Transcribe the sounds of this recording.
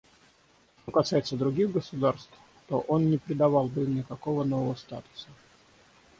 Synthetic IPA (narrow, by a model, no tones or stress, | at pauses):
ʂt̪o̞kɐsajɪt̪səd̪ɾʊɡʲiɣɡəsʊd̪arst̪f | t̪oʔo̞nnʲɪpɾʲɪd̪ɐvɑlˠbɨmnʲɪkɐko̞vəno̞vəvəst̪a̰t̪ʊ̥sə